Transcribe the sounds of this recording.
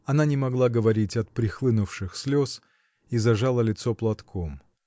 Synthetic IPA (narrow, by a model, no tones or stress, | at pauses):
ɐnanʲɪmɐɡlˠaɡəvɐɾʲitʲɐt̪̚pɾʲɪxlˠɨnʊfʂɨxsʲlʲos | izɐʐalˠəlʲɪt̪soplˠɐt̪kʰom